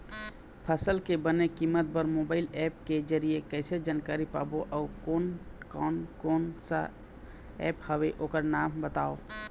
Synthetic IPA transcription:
pʰəsəlkebənekimːət̪̚bəɾmoːbaːɪlɛːpked͡ʒəɾiekɛɪsed͡ʒaːnkaːɾipa̰ːboʔɔːkonkːnkoːnsa̰ | ɛːphəweʔoːkəɾnaːmbət̪aːo

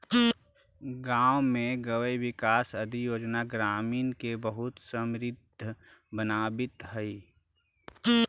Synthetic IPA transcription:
ɡaːwmẽɡəwəiwɪkaːsɐd̪ʱijoːd͡ʒnaɡɾaːmiːnkebəɦʊt̪səmɾɪd̪ʱ | bənaːbɪt̪ɦɛi

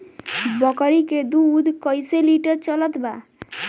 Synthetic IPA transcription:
bɔkɾiked̪uːd̪ʱkəjseliʈəɾt͡ʃɔlət̪ba

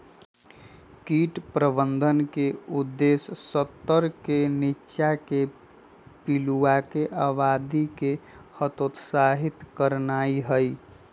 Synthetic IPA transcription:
kiːʈpɾəbənd̪ʱənkeʊd̪ːeːsːət̪ːəɾkenɪːʃake | piluakeʔaʋaːd̪ikehət̪ot̪saɦɪt̪kəɾnaːiɦəi

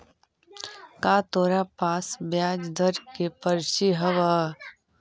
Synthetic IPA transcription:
kaːt̪oːɾapaːsbjaːd͡ʒd̪ʱɐɾkepɐɾʃiɦɐʋaː

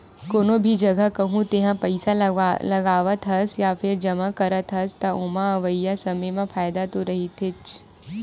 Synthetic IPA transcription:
koːnobʱid͡ʒɐɡəkɐɦũt̪eɦãpɐɪsalɐɡaːʋət̪ɦɐsjafʰɪɾd͡ʒɐmakɐɾət̪ɦɐst̪ɐʊmaɐʋəjːasɐməjmãfaːjd̪at̪oɾɐɦit̪ʰɪt͡ʃ

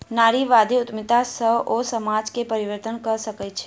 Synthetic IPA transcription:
naːɾiʋad̪ʱiʊt̪mɪt̪asəosəmad͡ʒkepəɾiʋəɾt̪ənkəɾsəkɛt͡ʃʰe̥

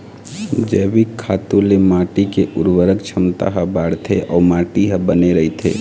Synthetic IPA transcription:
d͡ʒəːbɪkʰːaːt̪olemaːʈikeʔʊɾwəɾək̚t͡ʃʰəmt̪a̰ɦəbaːɽt̪ʰeʔɔːɾmaːʈiɦəbəneɾəɦit̪ʰḛː

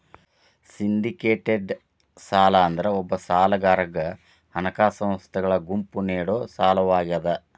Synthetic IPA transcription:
sind̪ikeːʈeɖ | saːlɐːnd̪ɐɾeɔbːɐsaːlɐɡaːɾɐɡɐ | hɐnɐkaːsɐ̃m̃st̪ʰɐɡɐɭɐɡumpuniːɽoːsaːlɐʋaːɡɐd̪ɐ

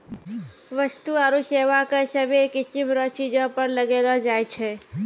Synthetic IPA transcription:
ʋəst̪uaɾuseʋakesəbʱekisimɾət͡ʃid͡ʒə̃pəɾləɡelɔd͡ʒajt͡ʃʰɛ

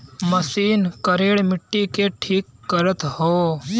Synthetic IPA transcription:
məsiːnkəɾeːɽmɪʈːikeʈʰiːkːəɾət̪hoː

